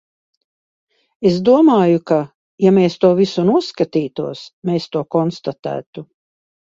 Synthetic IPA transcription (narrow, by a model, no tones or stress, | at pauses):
esd̪uɔmaːjuka | jameːst̪uɔvisunuɔskat̪iːt̪uɔsmeːst̪uɔkɔnst̪at̪æ̰ːt̪u